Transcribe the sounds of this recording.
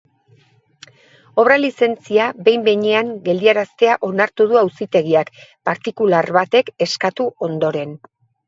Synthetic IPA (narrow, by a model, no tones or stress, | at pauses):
o̞βɾalise̞nt͡siabe̞jmbe̞ɲeaŋɡe̞ld̪iaɾast̪e̞aʔo̞naɾt̪uð̞uawsit̪e̞ɣ̞iakpaɾt̪ikularβat̪e̞ke̞skat̪uo̞nd̪o̞ɾe̞n